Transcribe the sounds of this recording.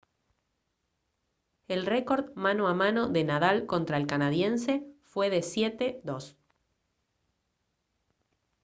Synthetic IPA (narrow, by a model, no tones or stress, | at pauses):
elreko̞ɾðmãnoamano̞ðe̞naðalko̞nt̪ɾaelkanaðje̞nsefwe̞ðe̞sjet̪eðos